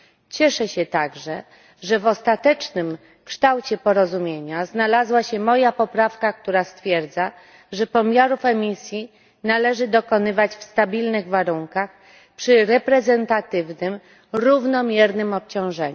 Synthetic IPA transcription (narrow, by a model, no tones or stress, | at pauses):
t͡ɕɛʂɛɕɛt̪aɡʐɛ | ʐɛvɔst̪at̪ɛt͡ʂnɘm | kʂt̪awt͡ɕɛpɔɾɔzumʲjeɲaznalazwaɕɛmɔjapɔpɾafkak̚t̪uɾast̪fʲjɛɾd̪za | ʐɛpɔmʲjaɾufɛmʲisʲji | nalɛʐɘd̪ɔkɔnɘvat͡ɕfst̪abʲilnɘɣvaɾuŋkax | pʂɘɾɛpɾɛzɛnt̪at̪ɘvnɘm | ɾuvnɔmʲjɛɾnɘmɔp̚t͡ɕɔ̃w̃ʐɛɲ